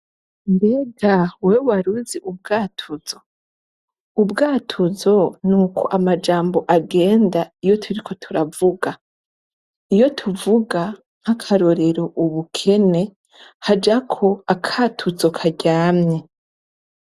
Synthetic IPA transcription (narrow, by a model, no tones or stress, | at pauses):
ndeɡawewaɾuziʔub̚ɡaːtʰuz̥o | ubɡaːtʰuzo̞nuːkʰo̞̰ʔamad͡ʒaːmbo̞ʔaɡe̞ːndaijo̞tʰuɾikʰo̞tʰuɾavuɡa | ijo̞tʰuvuɡa | ŋ̥hakʰaɾo̞ɾe̞ɾoʔuβukʰe̞ne̞ | had͡ʒakʰo̞akʰaːtʰuzokʰaɟaːmɲe